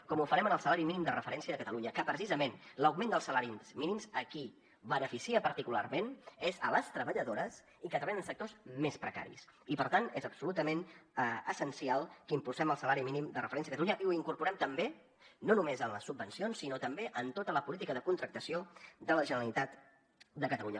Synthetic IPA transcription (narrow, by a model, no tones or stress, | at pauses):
kɔmufəɾɛmənəlˠsəlaɾiminimd̪ərəfəɾɛnsiəðəkət̪əluɲəkəpɾəsizəmenləwɡmẽnd̪əlˠsəlaɾizminimzəki | βənəfisiəpəɾt̪ikula̰rmenezələst̪ɾəβəʎəðoɾəs | ikət̪ɾəβajənənsək̚t̪ozmespɾəka̰ɾḭsipəɾt̪anezəbsulut̪əmenəəsənsialˠkəimpulˠsɛməlˠsəlaɾiminimd̪ərəfəɾɛnsiəkət̪luɲəʔiuiŋkuɾpuɾɛmt̪əmbe | nonumezənləsːub̚ːənsionsːinot̪əmbeʔənt̪ot̪ələpulit̪ikəðəkunt̪ɾək̚t̪əsiod̪ələʒənəɾəlˠit̪at̪ | d̪əkət̪əluɲə